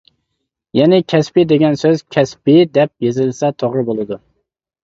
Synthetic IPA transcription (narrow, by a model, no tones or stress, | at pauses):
jɛnɪkʲʰɛspɪd̪eɡʲɛnsøz̥kʲʰɛspɪd̪ɛp̚jezɪlsɛt̪ʰoʁɾɨbolˠɨd̪u